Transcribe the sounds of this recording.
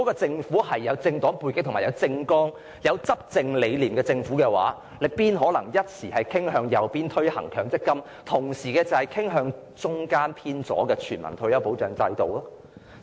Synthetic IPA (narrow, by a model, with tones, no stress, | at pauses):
kɔ˨˥kɔː˧t͡sɪ˧ŋfuː˨˥hɐ˨jːɐ˨˧wt͡sɪ˧ŋt̪ɔː˨˥ŋpuː˧jkɪ˥k̚t̪ʰmaː˨jɐ˨˧wt͡sɪ˧ŋkɔː˥ŋ | jɐ˨˧wt͡sɐ˥p̚t͡sɪ˧ŋle˨˧jliː˨˩mkɛː˧t͡sɪ˧ŋfuː˨˥kɛː˧wa̰ː˨˥ | lɪ˨k̚piː˥nɦɔː˨˥lɐ̰˨˩ŋjɐ˥t̚siː˨˩hɐ˨jkʰɪ˥ŋɦœː˧ŋjɐ˨wpiː˥nt̪ʰɵ˥ɥhɐ̰˨˩ŋkʰœː˧˥ŋt͡sɪ˥kːɐ˥m | t̪ʰʊ˨˩ŋsiː˨˩kɛː˧t͡sɐ˨˩hɐ˨jkʰɪ˥ŋɦœː˧ŋ | t͡sʊ˥ŋkaː˥npʰiː˥nt͡sɔ̰ː˨˥kɛː˧t͡ʃʰyː˨˩nmɐ̰˨˩nt̪ʰɵ˧ɥjɐ˨˧wpo˨˧˥wt͡ʃœː˨˩ŋt͡sɐ˧jt̪o˨wlɔː˥